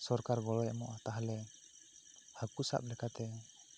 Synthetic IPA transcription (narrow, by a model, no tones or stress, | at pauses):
sɔɾkarɡɔlɔjamɔʔat̪aɦalɛ | hakusa̰p̚lɛkat̪ɛ